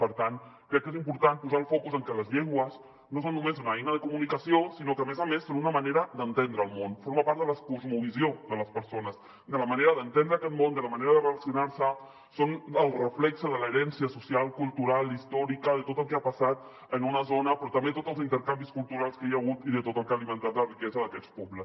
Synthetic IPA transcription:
pəɾt̪ankɾɛkːezimpuɾt̪anpuzaəlˠfɔkuzəŋkələzʎeŋɡwəz | nos̬onːumezunəɛjnəðəkumunikəsiosinokəmezəmesːonunəməneɾəd̪ənt̪end̪ɾəːlˠmonfoɾmapaɾt̪d̪ələkuzmuβiziod̪ələspəɾsonəs | d̪ələməneɾəðənt̪end̪ɾəːkɛt̪mond̪ələməneɾəðərələsinaɾsə | sonəlˠrəflɛksəðələːɾɛnsiəsusialˠkulˠt̪uɾalˠist̪ɔɾikəðət̪ot̪əlˠkeapəsat̪ | ənunəzonəpɾɔt̪əmbet̪ot̪əlˠzint̪əɾkambiskulˠt̪uɾalˠskejaɣ̞ut̪iðət̪ot̪əlˠkalimənt̪at̪lərikɛzəðəkɛt͡spɔbləs

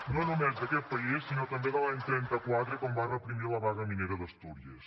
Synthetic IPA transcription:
nonumezd̪əkɛt̪̚pəisːinɔt̪əmbeðəlaɲt̪ɾɛnt̪əkwat̪ɾəkɔmbarəpɾimiləβazəmineɾəðəst̪uɾiəs

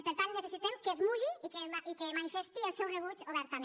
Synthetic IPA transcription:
peɾt̪alneθesit̪emkezmuʎiikeaikemanifest̪ielsewreβ̞ut͡ʃoβ̞ɛɾt̪amẽ

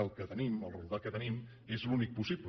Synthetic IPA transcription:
alˠkət̪əniməlˠrulˠd̪akət̪ənim | ezlunik̚pusiblə

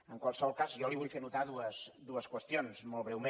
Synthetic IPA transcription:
əŋkwalˠsəβɔlˠkazjɔliβuʎfenut̪aðuəsd̪uəskwəst̪ionzmɔlˠβɾɛwme

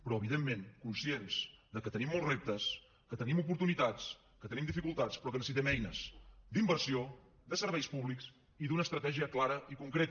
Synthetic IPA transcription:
pɾɔəβ̞iðemːẽŋkunsienz̥d̪əkət̪ənimːɔlˠzrep̚t̪əs | kət̪ənimupuɾt̪unit̪at͡s | kət̪ənimd̪ifikulˠt̪at͡spɾɔkənəs̬it̪ɛmɛjnəsd̪imbəɾsio | d̪əsəɾβ̞ɛjspuβliks | iðunəːst̪ɾət̪ɛʒiəklaɾəikuŋkɾet̪

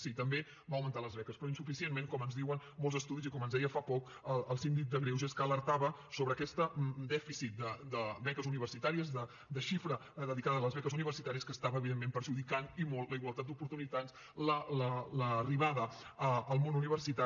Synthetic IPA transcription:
sit̪əmbe | baəwmənt̪aləzβɛkəspɾɔinsufisienmeŋkɔmənzðiwənmolzəst̪uðizikɔmənzðɛjəfapɔk | əlˠəlˠsind̪ik̚d̪əɣɾewzeskələɾt̪aβə | soβɾəkɛst̪əd̪ɛfisit̪̚d̪əd̪əβɛkəzuniβəɾsit̪aɾiəzd̪ə | d̪əʃifɾəðəðikaðəːləzβɛkəzuniβ̞ərsit̪aɾiəskəːst̪aβəːβiðemːempəɾʒuðikanimɔlˠt̪ləiɣwəlˠt̪at̪̚d̪upuɾt̪unit̪anz | lələləriβaðəəːlˠmonuniβərsit̪a

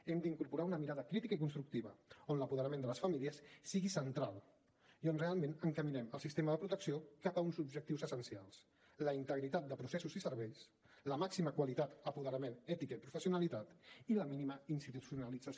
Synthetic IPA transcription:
ɛmd̪iŋkuɾpuɾaunəmiɾaðəkɾit̪ikəik̬unst̪ɾuk̚t̪iβəonləpuðəɾəmẽnd̪ələsfəmiliəsːiɣisənt̪ɾalˠ | ionrealˠmẽnəŋkəminɛməlˠsist̪eməðəpɾut̪əksiokapəunzubʒək̚t̪iwzəsənsialˠs | ləint̪əɣɾit̪at̪̚d̪əpɾusesuzisəɾβɛjs | ləmaksiməkwalit̪at̪əpuðəɾəmenɛt̪ikəipɾufəsiunalit̪at̪iləminiməinst̪it̪usiunəlid͡za

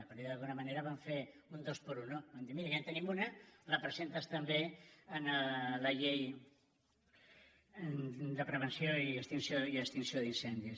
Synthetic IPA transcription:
əpəɾd̪iðəlˠɣunəməneɾəβaɱfe | und̪ospəɾunobamd̪imiɾəjent̪ənimunələpɾəzent̪əst̪əmbeənələʎej | d̪əpɾəβ̞ənsjoiəkst̪insioiəkst̪insijoðinsɛnd̪is

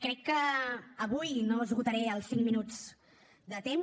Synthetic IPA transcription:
kɾɛkːəːβujnoəzɣut̪əɾɛəlˠsiŋminud͡z | d̪ət̪em

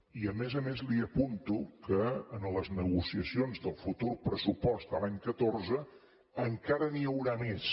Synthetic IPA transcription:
iəmezəmezliəpunt̪ukəːnləznəɣusiəsionzðəlˠfut̪urpɾəsupɔst̪əlaɲkət̪orzəː | ŋkaɾəniəwɾames

